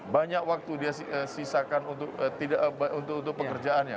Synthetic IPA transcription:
baɲakwak̚t̪udiasiəsisakanunt̪ʊk̚ːt̪idaʔbunt̪ʊkunt̪̬ʊk̚pəkərd͡ʒaanɲa̰

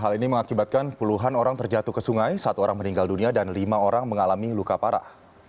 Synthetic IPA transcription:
ɦaliniməŋakibat̪̚kanpuluɦanoɾaŋt̪ərd͡ʒat̪ukəsuŋajsat̪uoɾaŋməniŋɡalduniadanlimaoɾaŋməŋalamilukapaɾa̰

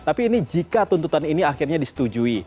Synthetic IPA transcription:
t̪apiːnid͡ʒikat̪unt̪ut̪aniniaxirɲadisə̥t̪ud͡ʒui

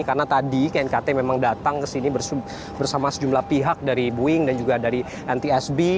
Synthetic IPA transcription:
karnat̪adikɛnkat̪ɛmemaŋdat̪aŋkəsinibəs | bərsamasəd͡ʒumlahpiɦak̚daɾibuɪŋdand͡ʒuɡadaɾi | ʔɛnt̪iɛsbi

